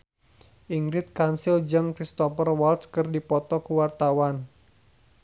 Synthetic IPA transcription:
ʔiŋɡɾɪt̪̚kansɪld͡ʒɨŋkɾist̪ɔfərwalt̪skɨrdipɔt̪ɔkəwart̪awan

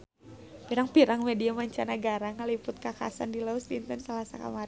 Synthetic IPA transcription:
piɾaŋpiɾaŋmediamaɲt͡ʃanaɡaɾaŋalipʊt̪̚kaka̰sa̰ndilausd̪int̪ɔnsalasa̰ka̰maɾ

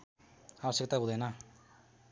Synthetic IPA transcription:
abʌsjek̚t̪aɦud̪ʌjnʌ

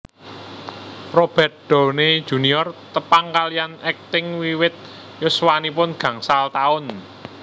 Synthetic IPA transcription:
rob̥ɛ̤t̪̚ɖ̥ɔ̤ne̥ʒ̥ṳniɔrt̪əpaŋkalianɛk̚t̪ɪŋwiwɪt̪̚ | jʊswanipʊnɡ̥ä̤ŋsalt̪aʊn

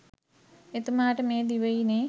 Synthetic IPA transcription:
et̪umaːʈɐmeːd̪iʋɐjineː

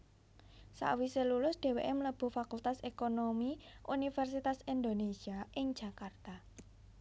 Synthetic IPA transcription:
sa̰ʔwiselulʊsɖ̪̥e̤weʔemləb̥ṳfakult̪asekonomiʔṵnifɛrsit̪asind̪onesiaʔɪŋ̥d͡ʒʒ̥a̤kart̪a

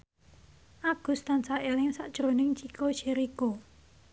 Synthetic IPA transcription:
ʔaɡ̥ṳst̪ansaelɪŋsaʔd̥ʒ̥ɾo̤nɪŋt͡ʃikoʃiɾiko

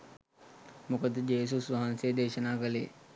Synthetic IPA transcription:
mukəd̪d͡ʑeːs̬usʋɐɦansed̪eɕənaːɡəlḛː

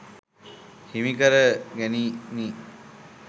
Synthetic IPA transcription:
himikəɾəɡænini

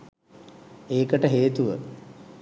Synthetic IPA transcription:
eːkəʈəɦeːt̪uʋə̰

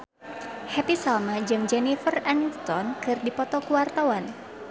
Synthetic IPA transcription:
hɛpisalmad͡ʒɨŋd͡ʒɛnifəranist̪ɔnkɨrdipɔt̪ɔkuwart̪awan

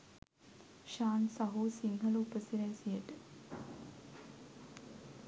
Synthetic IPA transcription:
ʃaːnsɐɦuːsiŋɦəluupəsiɾɛːsijəʈə

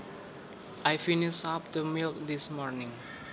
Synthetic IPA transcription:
ajfinisap̚d̪əmilkd̪ismɔɾnɪ̃ŋ

